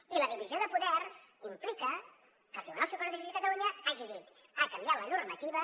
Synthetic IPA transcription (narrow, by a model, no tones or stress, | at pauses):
iləðiβizioðəpuðɛrz̥implikə | kək̪inɔsupəɾðiziðəkət̪ɐluɲəaʒiðit̪ | akambialənurmət̪iβə